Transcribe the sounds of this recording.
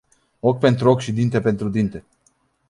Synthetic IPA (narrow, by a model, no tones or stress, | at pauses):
o̞kʲpe̞nt̪ɾuo̞kʲʃid̪int̪e̞pe̞nt̪ɾud̪int̪e̞